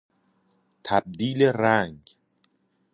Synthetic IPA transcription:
t̪ʰæb̚d̪iːleɾæŋɡ

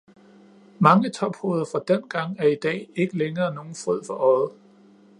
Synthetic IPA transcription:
mɑ̈ŋət͡sʰɒ̽b̥ho̝ːð̞ˠɐfʁɑ̈d̥enɡ̥ɑ̈ŋ̰æɐid̥ɛ̰ːe̝ɡ̥əleŋɐːno̝ːn̩fʁøð̰ˠfɒ̽ʔɒð̩ˠ

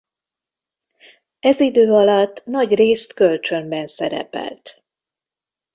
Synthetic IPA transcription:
ɛzid̪øːɒlɒt̪ːnɒɟreːst̪kø̞lt͡ʃø̞mbɛnsɛɾɛ̰pɛ̰lt̪

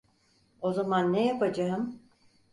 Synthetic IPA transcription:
o̞zamanːejapad͡ʒaɦɯm

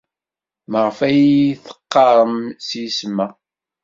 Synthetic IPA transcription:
məʁəfæjiθə̥qːɑɾˤəmsjismːæ

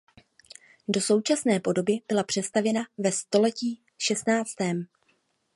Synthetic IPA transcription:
do̞so̞wt͡ʃasnɛːpo̞do̞bɪb̥ɪlapr̥ɛst̪avjɛnavɛst̪o̞lɛciː | ʃɛst̪naːt͡st̪ɛːm

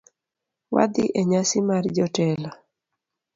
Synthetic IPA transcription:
wa̰d̪ɪʔeɲasɪmard͡ʒɔtɛla

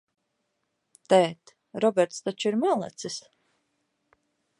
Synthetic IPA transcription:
t̪ɛːt̪ | ɾɔbʲɛɾt̪st̪at͡ʃiɾmælˠɛ̰t̪sis

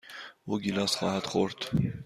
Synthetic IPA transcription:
ɔɡilɑsχɑɦɑt̪χɔɾt̪ʰ

